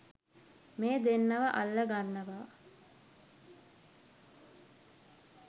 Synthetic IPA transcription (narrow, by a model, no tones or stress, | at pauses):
meːd̪enːəʋəʔalːəɡanːəʋaː